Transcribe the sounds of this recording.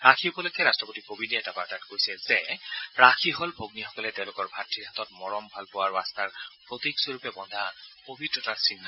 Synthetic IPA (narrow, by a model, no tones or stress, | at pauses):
ɹakʰiupɔlojkɛɹastɹɔpotikobidiɛtapaatatkojsɛzɛɹakʰiɦɔlbʱoɡnixɔ̥kɔlɛtɛʊ̃lʊkɔɹbʱatʰːiɦatɔtmɔɹɔmbʱalpʊwaɹastaɹpɹotiɡsoɹupɛbɔndʱakobʱitɹɔtaɹsinːa